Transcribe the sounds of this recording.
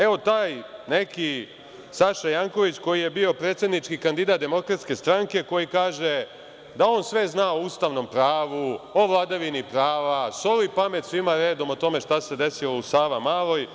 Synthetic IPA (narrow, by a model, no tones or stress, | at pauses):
e̞o̞t̪aːjne̞ki | saʃajaŋko̞ʋit͡ɕko̞jije̞bio̞pɾet̪sje̞d̪nit͡ʃkikand̪id̪aːt̪̚d̪e̞mo̞kɾat̪ske̞st̪ɾaŋke̞ko̞jikaːʒe | d̪ao̞ːnsʋe̞znaoust̪aʋno̞mpɾaːʋuo̞ʋlˠad̪aʋinipɾaːʋaso̞lipame̞t̪sʋimaɾe̞ːd̪o̞mot̪o̞me̞ʃt̪ase̞d̪e̞silousaːʋamaːlˠo̞j